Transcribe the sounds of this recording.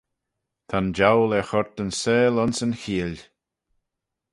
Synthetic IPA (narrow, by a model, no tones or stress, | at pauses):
t̪ʰand͡ʒawlɛxɔɹt̪ənseːlɔnsənxiːlʲ